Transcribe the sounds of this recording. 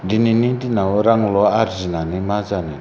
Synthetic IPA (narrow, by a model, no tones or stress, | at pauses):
nd̪ininind̪inawoɾaŋloaɾzinanimazani